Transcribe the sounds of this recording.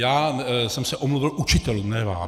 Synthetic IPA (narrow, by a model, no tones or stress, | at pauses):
jaːsɛmsɛʔomluvɪlʔut͡ʃɪt̪ɛlunɛva̰ː